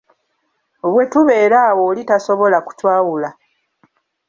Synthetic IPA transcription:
oβwe̞tuβe̞ːɾaːwo̞ːlitaso̞βo̞laku̥cwaːwula

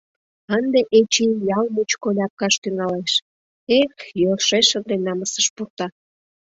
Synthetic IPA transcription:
ənd̪eʔet͡ɕijɑlmut͡ɕkolʲɑp̚kɑʃt̪yŋɑleʃ | ekjolʃeʃənd̪enɑməsəʃpurt̪ɑ

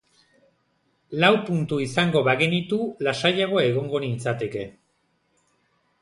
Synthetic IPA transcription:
lawpunt̪uisaŋɡo̞βaɣe̞nit̪ulasajaɣ̞oaeɣ̞o̞ŋɡo̞nint͡sat̪e̞ke̞

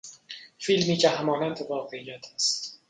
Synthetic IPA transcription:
filmiːcʰehæmɒːnænd̪evɒːɣe̞iːjæt̪ʰæst̪

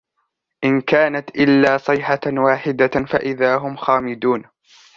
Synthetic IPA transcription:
ʔɪnkaːnat̪ʔɪlːaːsˤɨjħawaːħɪd̪afa̰ʔɪðaːɦʊmxaːmɪd̪uːn

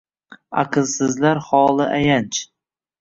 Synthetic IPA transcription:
a̰qʰɨlˠsɪzlaɾχɒːlˠɪʔajant͡ʃʰ

